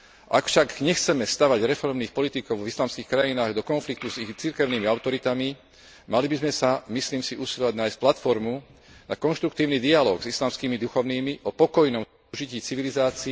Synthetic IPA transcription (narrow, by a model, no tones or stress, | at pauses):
ʔa̰kfʃakɲɛxt͡sɛmɛst̪aʋaɟɾɛfɔɾmniːxpɔlit̪ikɔʊvislaːmskiːxkɾajinaːɣd̪ɔkɔnflik̚t̪uzixt͡siɾkɛʊnimiaʊt̪ɔɾit̪ami | malibizmɛsamisliːmsiʔusilɔʋaɟnaːjsc̚plat̪fɔɾmunakɔnʃt̪ɾuk̚t̪iːʊnid̪ialɔːɡzislaːmskimid̪uxɔʊniːmiʔɔpɔkɔjnɔm | ʒiciːt͡siʋilizaːt͡si